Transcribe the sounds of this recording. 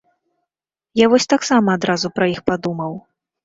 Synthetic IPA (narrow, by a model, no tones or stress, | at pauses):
javɔsʲt̪aksamɐːd̪ɾazupɾɐixpad̪umɐw